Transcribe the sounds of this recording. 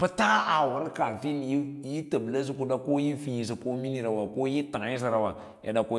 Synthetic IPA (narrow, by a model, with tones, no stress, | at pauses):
pɨ˦ta˦a˨wu˨ɾka˨fi˦n˨ji˦ji˦ta˨bla˦s̬i˦ku˦da˦ko˦ji˦fi˦ji˨s̬i˨ko˦mi˦ni˨ɾa˨wa˨ko˦ji˦ta˨ŋa˨˦ji˦s̬i˨ɾa˨wa˨ | ja̰˨da˨ko˦